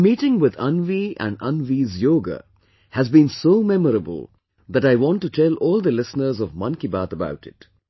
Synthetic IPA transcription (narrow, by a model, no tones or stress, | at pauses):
miːʈɪ̃ŋwɪðʌ̰̃nʋiæ̰̃nɖʌ̰̃nʋizjoːɡə̰ | hæzbĩnsoːmɛməɾəbə̰lˠ | d̪æʈaɪʋɔ̃nʈːutʰɛlɔːlˠd̪əlɪsnəɾzɔvmʌ̃nkibaːt̪əba̰ʊʈɪ̰t